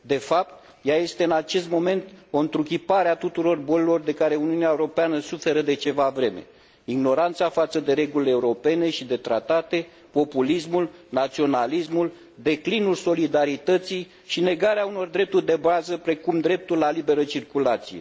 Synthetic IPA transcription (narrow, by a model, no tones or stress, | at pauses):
d̪e̞fap̚t̪̚ | jaje̞st̪e̞ɨnat͡ʃe̞st̪mo̞me̞nt̪o̞nt̪ɾuk̬ʲipaɾeat̪ut̪uɾo̞rbo̞lelo̞rd̪e̞kaɾe̞uniuneaeuɾo̞peanəsufe̞ɾəd̪e̞t͡ʃe̞vavɾe̞me̞̰ | iɡno̞ɾant̪safat̪səd̪e̞ɾe̞ɡulʲe̞uɾo̞pe̞ne̞ʃid̪e̞t̪ɾa̰t̪at̪e̞ | po̞pulismulnat̪sio̞nalismul | d̪e̞klinulso̞lid̪aɾit̪ət̪sij | ʃine̞ɡaɾeauno̞rd̪ɾe̞p̚t̪urʲd̪e̞bazəpɾe̞kumd̪ɾe̞p̚t̪ulːalibe̞ɾət͡ʃirkulat̪sije̞